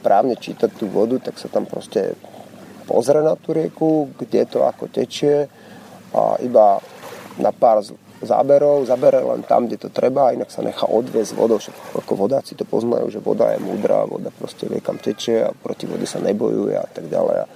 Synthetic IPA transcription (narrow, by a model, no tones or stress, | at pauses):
pɾʔaːʊɲɛt͡ʃiːt̪ac̚t̪ːuːʋɔd̪ut̪aksat̪ampɾɔscɛ̰ | pɔzɾɛnat̪uːɾɪɛkuɡɟɛt̪ɔakɔcɛt͡ʃɪɛ | a̰ʔiba | napaːɾz | za̰ːbɛɾɔʊzabɛɾɛlɛ̰nt̪a̰mɡɟɛt̪ɔt̪ɾɛbaːinaksaɲɛxaːʔɔd̪ʋɪɛzɟʋɔ̰d̪ɔʊʃakakɔʋɔd̪aːt͡si̥t̪ɔpɔzna̰jṵːʒɛʋɔd̪ajɛ̰muːd̪ɾa̰ːʋɔ̰d̪apɾɔscɛʋɪɛ̰kamcɛt͡ʃɪɛa̰pɾɔciʋɔɟɛsaɲɛbɔjujɛ̰at̪aɡɟalɛ̰ja̰